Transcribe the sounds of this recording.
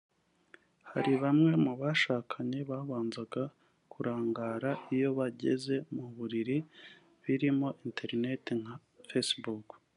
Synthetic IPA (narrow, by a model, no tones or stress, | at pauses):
haɾiβamŋe̞muβaʃaːkʰaɲeβaːβaːnzaɡa | kʰuɾaːŋɡaːɾaʔijo̞βaɟe̞̰ze̞muβuɾiɾi | βiɾimo̞ʔinte̞ɾne̞tiŋ̥ha | fesbuk